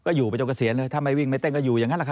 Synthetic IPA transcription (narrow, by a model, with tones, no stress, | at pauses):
kɔː˥˩juː˨˩pa˧jt͡ɕo˧˩ksi˩˦ənlɤː˧jt̪ʰa˧˩ma˧jwi˥˩ŋm˦˥˩t̪e˥˩ŋkɔː˥˩juː˨˩jaː˨˩ŋa˦˥nla˨˩kʰa˧